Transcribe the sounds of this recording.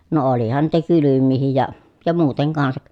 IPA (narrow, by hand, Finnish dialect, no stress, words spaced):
no olihɑn niːtæ kylymːiːhij jɑ jɑ muːteŋ kɑnsɑk